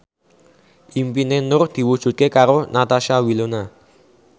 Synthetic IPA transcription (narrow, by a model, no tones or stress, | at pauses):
ʔimpinenʊrd̪̥i̤wud̥ʒ̥ṳt̪̚kekaɾonat̪aʃawilona